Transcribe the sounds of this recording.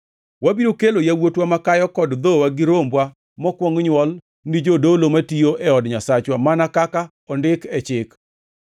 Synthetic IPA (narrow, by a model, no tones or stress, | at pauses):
wabiɾokelojawotwamakajɔkɔdd̪owaɡɪɾombwa | mɔkwɔŋɲwɔl | nid͡ʒodolomatioʔɛɔdɲasat͡ʃwamanakaka | ɔndɪkɛt͡ʃɪk